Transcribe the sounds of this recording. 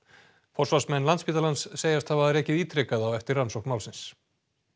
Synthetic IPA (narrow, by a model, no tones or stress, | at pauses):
fɔrsvasmɛnːlant̪spiːt̪alansːeːjast̪havaðɾɛːcɪðiːt̪ɾɛkaðawɛft̪ɪɾːansowhkmaːwlsɪns